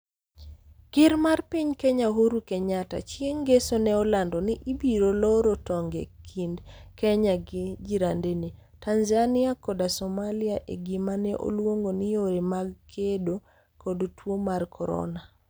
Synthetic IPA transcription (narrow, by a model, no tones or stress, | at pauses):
kɪɾmarpiɲkɛɲaɦoɾukɛɲata̰t͡ʃjeŋɡesonɛɔlandɔnɪʔibiɾolɔɾotɔŋɡɛ̰kʰindkɛɲaɡɪd͡ʒiɾandenitanzanɪakɔdasɔmalɪaʔḛɡimanɛʔo̰lwoŋɡonɪjoɾemaɡkʰedo | kodtwomarkʰɔɾɔ̰na